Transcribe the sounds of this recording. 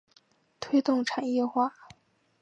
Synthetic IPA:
t̪ʰwe˥ɪt̪ʊ˥˩ŋʈ͡ʂʰa˨˩njɛ˥˧xwa˥˩

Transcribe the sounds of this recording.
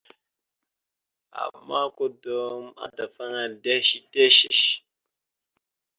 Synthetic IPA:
a̰˨mːa˦ko˦do˦ma̰˨ta˨fa˦ŋa˨de˦ʃi˦de˦ʃi˨ʃ

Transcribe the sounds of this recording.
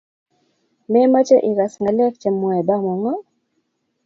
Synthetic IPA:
mɛ˦ma˦t͡ʃɛ˦ʔi˨ka˨sŋɡa˨lɛ˦kt͡ʃɛ˨mwɛ˨ba˦mɔ˨ŋɔ˦

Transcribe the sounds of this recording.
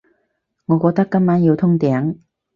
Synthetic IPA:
ŋɔː˨˧kɔː˧k̚t̪ɐ˥kːɐ˥mmaː˨˥njiː˨˧wt̪ʰʊ˥ŋt̪ɛː˨˥ŋ

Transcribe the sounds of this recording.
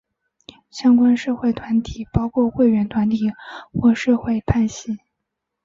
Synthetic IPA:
ɕjɑ˥ŋkwa˥nʂɤ˥˧xwe˥˩ɪt̪ʰwa˧˥nt̪ʰi˨˩˦pɑ˥ʊkʰwɔ˥˧xwe˥˩ɪɥɛ˧˥nt̪ʰwa˧˥nt̪ʰi˨˩xwɔ˥˧ʂɤ˥˧xwe˥˧ɪp̪ʰa˥˩nɕi˥˩˦

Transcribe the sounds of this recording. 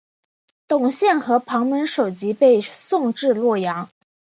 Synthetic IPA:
t̪ʊ˨˩ŋɕjɛ˥˩nxɤ˧˥pʰɑ˧˥ŋmə˧˥nʂo˨˩ʊt͡ɕi˧˥pe˥˧ɪsʊ˥˧ŋʈ͡ʂɻ̩˥˧lwɔ˥˩jɑ˧˥ŋ

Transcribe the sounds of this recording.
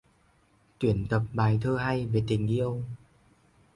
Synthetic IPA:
t̪wi˧˩ənt̪ə˨˩p̚ɓaː˨˩jt̪ʰəː˧ɦa˧jve˨˩t̪ï˨˩ŋ̟ɗi˧ʔə˧wŋ͡m

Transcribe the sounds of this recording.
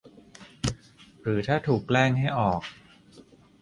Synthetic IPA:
ɾɯː˩˦t̪ʰaː˥˩t̪ʰuː˨˩kːlɛː˥˩ŋɦa˥˩jʔɔː˨˩k̚

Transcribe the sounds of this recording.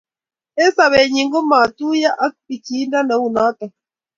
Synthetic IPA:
e˦sa˨βɛ˨ɲi˨ŋɡo˦ma˨t̪u˦ja˦ʔa˦k̚pi˨ki˦nda˦na˨˦u˨na˦ta˨

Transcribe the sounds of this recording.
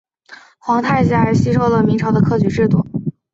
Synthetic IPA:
xwɑ˧˥ŋt̪ʰa˥˩ɪɕja˥˧˥ɕi˥ʈ͡ʂʰo˥ʊlə˨mi˧˥ŋʈ͡ʂʰɑ˧˥ʊd̪ə˧kʰɤ˥˩t͡ɕy˧˥ʈ͡ʂɻ̩˥˧t̪ṵ˥˩

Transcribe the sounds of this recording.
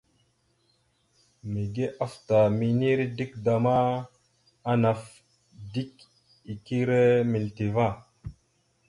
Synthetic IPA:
mi˨ɡe˦ʔa˦fta˨mi˨ni˦ɾi˦di˦kda˨ma˦ | a˦na˨f | di˦k | i˨ki˦ɾe˦mi˨lti˨va˦˨

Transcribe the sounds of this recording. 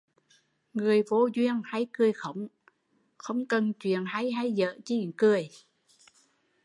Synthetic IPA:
ŋɨ˨˩əjvo˧zwi˧ənha˧jkɨ˨˧˩əjxə˧˦wŋ͡m | xə˧wŋ͡mkə˨˩nt͡ɕwḭ˧˨ənha˧jɦa˧jzə̰ː˧˨t͡ɕi˧˩˨ŋkɨ˨˩əj

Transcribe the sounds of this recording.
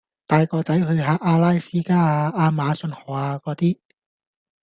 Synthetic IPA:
t̪aː˨˧jkɔː˧t͡sɐ˨˥jɦɵ˧ɥɦaː˨˥ʔaː˧laː˥jsiː˥kaː˥aː˧aː˧maː˨˧sɵ˧nhɔː˨˩aː˧kɔː˨˧˥t̪iː˥

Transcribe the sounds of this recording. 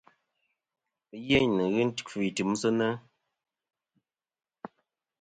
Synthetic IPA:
je˦ɲ˨nɨ˨ɣɨ˦n̩˦tki˨tɨ˨˦m˦sə˦nə˦

